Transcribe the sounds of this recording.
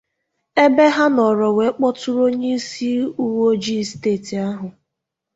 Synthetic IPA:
e˦be˦ɦa˦nɔ˨ɾɔ˨we˨˦k͡pɔ˦tʊ˦ɾo˦ɲe˦i˦si˦u˦wo˦d͡ʒi˦steː˦˨ti˨a˦ɦʊ˨

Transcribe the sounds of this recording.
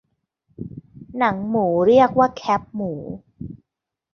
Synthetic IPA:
na˩˦ŋmuː˩˦ɾi˥˩ək̚waː˥˩kʰɛ˦˥p̚muː˩˦

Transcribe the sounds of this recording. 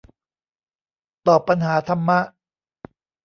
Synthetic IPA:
t̪ɔː˨˩pːa˧nɦaː˩˦t̪ʰa˧mːa˦˥ʔ

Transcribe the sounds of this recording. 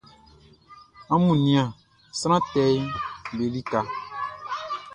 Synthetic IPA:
a˦mũ˨nĩ˨˦ã˨ | sɾ̃ã˦t̪ɛ˦jbe˨li˦ka˨

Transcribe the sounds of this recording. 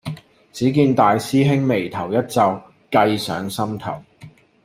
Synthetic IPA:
t͡siː˨˥k̬iː˧nt̪aː˨jsiː˥ɦɪ˥ŋme˨˩jt̪ʰɐ˨˩wjɐ˥t̚t͡sɐ˨˧w | kɐ˧jsœ̰ː˨˥ŋsɐ˥mt̪ʰɐ̰˨˩w

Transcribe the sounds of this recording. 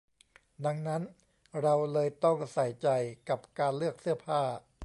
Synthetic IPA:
da˧ŋna˦˥n | ɾa˧wlɤː˧jt̪ɔ˥˩ŋ˧sa˨˩jt͡ɕa˧jka˨˩p̚kaː˧nlɯ˥˩ək̚sɯ˥˩ɐpʰaː˥˩

